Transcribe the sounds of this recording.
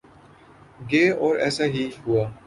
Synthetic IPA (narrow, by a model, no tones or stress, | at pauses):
ɡeːɔːɾɛ̰ːsaɦiɦuaː